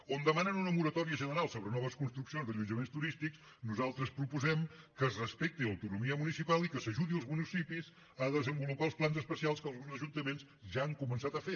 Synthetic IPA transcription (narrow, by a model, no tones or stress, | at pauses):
ond̪əmanənunəmuɾət̪ɔɾiəʒənəɾalˠsoβɾənɔβ̞əskunst̪ɾuksionzðəʎund͡ʒəmenst̪uɾist̪ikz | nuzalˠt̪ɾəspɾupuzɛmkəːzrəspɛk̚t̪iləwt̪unumiəmunisipalˠikəsəʒuðiəlˠzmunisipiz | əðəzəmbulupalˠsplˠanzəspəsialˠskəlˠɣunzəʒunt̪əmenz | ʒaːŋkumənsat̪əfe